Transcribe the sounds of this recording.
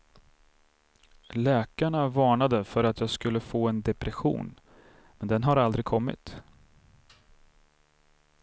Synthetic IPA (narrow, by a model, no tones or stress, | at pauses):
lɛːkaɳavɑːɳad̪əfœɾat̪jɑːɡskɵlːəfoːɛnd̪ɛpɾɛɧṵːn | mɛnd̪ɛnɦaɾald̪ɾɪɡ̚kʰɔmːɪ̰t̪